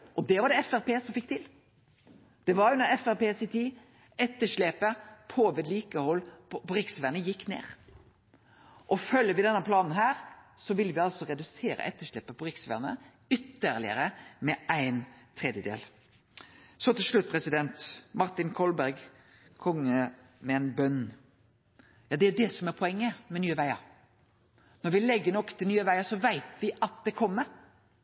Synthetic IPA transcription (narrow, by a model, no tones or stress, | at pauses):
ʔɔd̪ɛʋɑɾɖɛɛfæʁpeːsɔmfɪk̚ːt̪ʰɪl | d̪̥ɛʋɑɾjʊnɔɾɛfæʁpeːsɪt̪ʰiː | ɛt̪ːəʂɭeːpəpʰoːʋɪd̪liːkəhɔlːpɔɾɪksʋænəjɪkːnḛːʁ | ʔɔfœlːəʋɪd̪ɛnːəpʰlɑːnn̩ɦæːɾsɔʋɪlːʋɪɑlsɔɾɛd̪ʉseːɾə̰ʔɛt̪ːəʂleːpəpɔʁɪksʋæ̰ʁnə̰ | ʏt̪ːəʁlɪ̰ə̰ɾəmɛʔæɪnt̪ʰɾɛd̪jəd̪ḛːl | sɔt̪ɪlʂɭʉt̪̚ːpʰɾɛsɪd̪ɛnt̪mɑɾt̪ɪnkʰɔlbæɾɡ | kʰɔŋːə | mɛɛɪnbœnː | jɑːd̪ɛæɾɖ̪ɛsɔmæɾpʰɔɛŋːəmɛnyːəʋæɪɑ̰ | nɔɾʋɪlɛɡːəɳɔkt̪ʰɪlnyːəʋæɪɑsɔʋæɪt̪ʋɪʔɑt̪̚d̪ɛkʰɔmːəɾ